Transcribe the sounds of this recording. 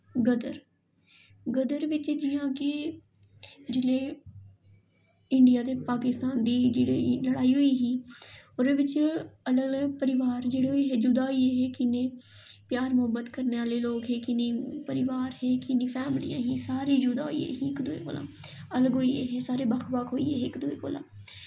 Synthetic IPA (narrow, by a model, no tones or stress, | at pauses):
ɡəd̪əɾ | ɡəd̪əɾʋɪt͡ʃd͡ʒɪjãːki | d͡ʒɪle | ɪ̃ɳɖijaːd̪epaːkɪst̪aːnd̪iːd͡ʒeːɽiləɽaːiɦʊiɦiːoːɾeʋɪt͡ʃələɡpəɾɪʋaːɾd͡ʒeːɽeɦoiɦed͡ʒʊd̪aːɦieɦekɪnẽ | pjaːɾmʊɦəbət̪kəɾneːʋaːleloːɡɦeːkɪniːpəɾɪʋaːɾɦeːkɪnifʰɛːmɪlḭjã̰ːɦisaːɾid͡ʒʊd̪a̰ːoiḛɦiɪkd̪uḛko̰ːlã̰ːələɡoːiḛɦesaːɾebakʰbakɦoḭeɦekd̪uḛko̰ːlã̰ː